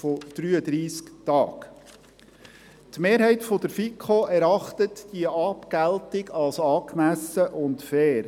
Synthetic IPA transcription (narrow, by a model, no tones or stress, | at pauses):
fɔd̥ɾyːəd̪ɾiːsktɑ̰ːk | tmeːɾɦɛɪtfɔd̪əɾfikʰχoʔæɾɑχt̪ətd̥iəʔɑpɡ̥æltɪɡɑlsɑːkmæsəʔʊntfɛːɾ